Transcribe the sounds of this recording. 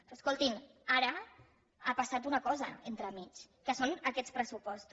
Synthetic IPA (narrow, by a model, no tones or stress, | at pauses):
pɾɔəskolˠt̪in | aɾə | apasat̪unəkɔzəent̪ɾəmit͡ʃ | kəsonəkɛtt͡spɾəsupɔst̪u